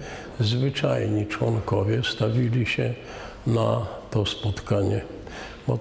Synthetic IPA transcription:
zvɘt͡ʂajɲit͡ʂwɔŋkɔvʲjɛst̪avʲilʲiɕɛ | nat̪ɔspɔt̪kaɲɛ | bɔ

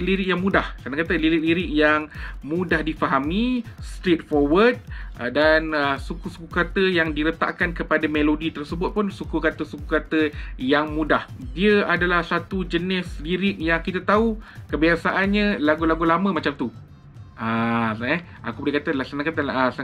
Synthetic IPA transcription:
liɾɪk̚jaŋmũdahsanãkat̪əliɾɪk̚liɾɪʔ̚jaŋmudahdifaɦamist̪ɾet̪̚fɔrwəd̚danəsukusukukat̪əjaŋdiɾət̪a̰ʔkankəpadamelodit̪ərsəbʊt̪̚pʊnsukukat̪əsukukat̪əjaŋmudahdiəadalahsat̪ud͡ʒənɪsliɾɪk̚jaŋkit̪at̪aukəbiasaʔanɲə̃laɡulaɡulamə̃mat͡ʃamt̪u | aɛ | a̰kubulɪkat̪əlasanakat̪əs

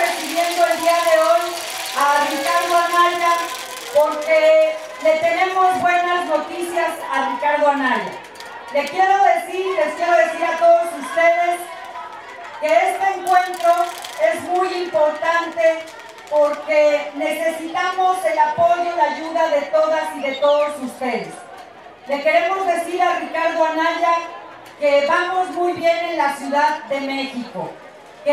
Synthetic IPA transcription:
esiβje̞nd̪o̞e̞ld̪iaðe̞o̞j | arikaɾðoanaʎa | po̞ɾke | le̞t̪e̞ne̞mo̞zβwe̞nazno̞t̪isjasarikaɾðoanaʎa̰ | le̞kje̞ɾo̞ðe̞siɾle̞skjeɾo̞ðe̞siɾat̪o̞ðo̞sust̪e̞ð̞e̞s | ke̞est̪e̞ːŋkwe̞nt̪ɾo̞e̞zmujimpo̞ɾt̪ant̪e̞ | po̞ɾke̞ne̞se̞sit̪amo̞se̞lapo̞ʝo̞ðaʝuðaðe̞t̪o̞ðasiðe̞t̪o̞ðo̞sust̪e̞ðes | le̞ske̞ɾe̞mo̞zðe̞siɾarikaɾðo̞anaʝa | ke̞βamo̞zmujβje̞ne̞nlasjuðaðːe̞me̞xiko̰ | ke

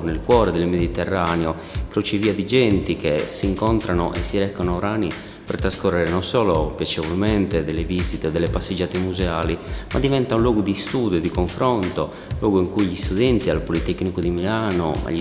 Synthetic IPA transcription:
nelkwɔːɾɛd̪ɛlmed̪it̪ɛrːaːneo | kɾot͡ʃeviːad̪id͡ʒɛnt̪ikesiŋkɔnt̪ɾanoʔɛsːiɾɛkːanoɾaːni | pɛrt̪ɾaskorːɛɾɛnɔnsɔːlopjat͡ʃɛvɔlmɛnt̪ed̪ɛlːevizit̪ɛd̪ɛlːepasːed͡ʒːaːt̪emuzɛaːlimʔad̪ːivɛnt̪aunlwɔːɡud̪ist̪uːd̪jod̪ikoɱfɾɔnt̪o | lwɔːɡoiŋkujʎist̪uðɛnt̪ialpolit̪ɛkːnikod̪imilaːno̰ma̰ʎi

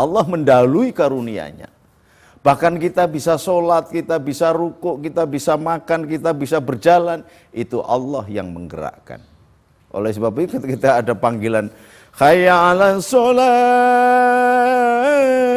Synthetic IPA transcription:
ʔɑlːɔhməndaluikaɾunia̰ɲa̰ | b̥ahkankit̪abisasolat̪̚kit̪abisaɾukʊʔkit̪abisamakankit̪abisabərd͡ʒalan | it̪uʔɑ̰lːɔhja̰ŋməŋɡəɾa̰ʔka̰n | ʔo̰lɛsəbapikʊt̪̚kit̪aːdapaŋɡilan | hajaːlansola

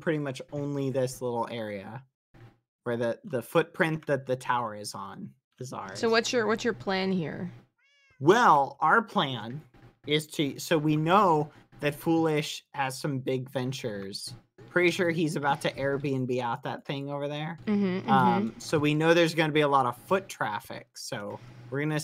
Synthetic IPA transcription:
pʰɹ̥ɪɾimʌt͡ʃõʊ̃nliðɪslɪɾl̩ˠɛɹiɨ | wə˞ðɨðəfʊt̚pʰɹ̥ɪ̃nðɨt̪̚ðɨtʰaʊə˞ɨzn̩ | ɨzɑ̰soʊwʌtsjə˞wʌtsjə˞pʰl̥æ̃nhḭɹ | wɛlˠaʊə˞pʰl̥æ̃n | ɪz̥tʰɨsoʊwinoʊ | ðɨtfulˠɪʃhɨz̥sʌ̃mbɪɡvɛ̃nt͡ʃə˞z̥ | pʰɹ̥ɪɾiʃʊɹizɨbaʊtʰɨʔɛɹbiɨ̃nbiaʊt̪̚ðɨ̰t̪̚θɪ̃ŋoʊvə˞ðə˞m̩m̥m̩ʌ̃msoʊwinoʊðə˞zɡʌnɨbiəlɔɾəv̥fʊtʰɹ̥æ̰fɪ̰k̚soʊwɪɹɡʌnɨ

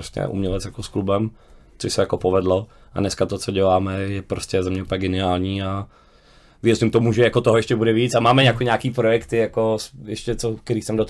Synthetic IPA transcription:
oscɛ̰ʔṵmɲɛlɛt͡sjakosklubɛm | t͡soʃsɛjakopovɛdlo | ʔa̰dnɛskat̪ot͡soɟɛlaːmɛjɛpɾoscɛzɛmɲɛupəɲɛɡɛnɪaːlɲiːa | vɪjɛzɪmt̪omuʒɛjakot̪oɦojɛʃcɛbudɛviːt͡samaːmɛɲakoɲaːkiːpɾojɛkt̪ɪjakosjɛʃcɛt͡sokɛɾiːsɛmdot̪

